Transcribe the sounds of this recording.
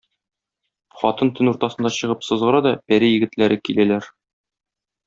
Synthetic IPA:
χɒt̪ɤnt̪ɘnuɾt̪ɑsɤ̆nd̪ɑɕɤ̆ʁɤpsɤ̆zʁɤ̆ɾɑd̪ɒpæɾijɘ̆ɡɘ̆t̪læɾʔɘkilælæɾ

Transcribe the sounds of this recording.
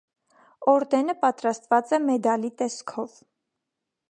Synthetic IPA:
ɔɾd̪ɛnəpɑt̪ɾɑst̪vɑt͡sɛmɛd̪ɑlit̪ɛskʰɔv

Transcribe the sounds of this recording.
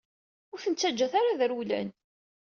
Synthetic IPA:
ʊɾθənt͡sːæd͡ʒːæθaɾaðəɾulæ̰n

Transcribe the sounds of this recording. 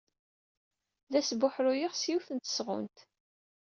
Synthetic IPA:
ðæsbʊħɾujiʁsjuwθənt̪ə̥sʁʊ̰nt̪

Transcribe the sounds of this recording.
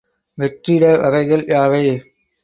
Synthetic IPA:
ʋɛʈrɪɽɐʋɐɾɐɪɣɐɭjaːʋɐɪ

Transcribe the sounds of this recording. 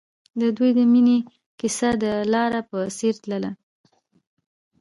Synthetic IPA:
d̪əd̪ujd̪əmine | kɪsad̪əlɑɾapəseɾt̪ləla̰

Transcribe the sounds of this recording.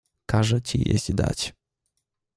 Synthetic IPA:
kaʐɛt͡ɕijḛzd̪a̰t͡ɕ

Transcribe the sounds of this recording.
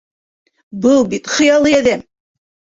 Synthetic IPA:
bɤlˠbit̪χɤ̆jɑlˠɤjæðæm

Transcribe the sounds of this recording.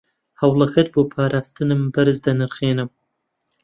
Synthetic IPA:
hɐwlˠɐxɐt̪̚boːpʰaːɾʔaːst̪ɨnɨmbɐɾɨzd̪ɐnɨɾχeːnɨm

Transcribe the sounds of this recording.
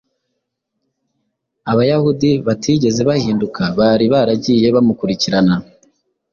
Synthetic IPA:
aβajahudiβatʰiːɟe̞ze̞βahiːndukʰaβaɾiβaɾaɟiːje̞βamukuɾiciɾana

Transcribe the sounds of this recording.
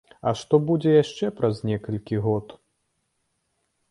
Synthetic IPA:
ɐ̰ʂt̪ɔbud͡zʲɛjaʂt͡ʂɛpɾɐznʲɛkɐlʲkʲiɣɔt̪

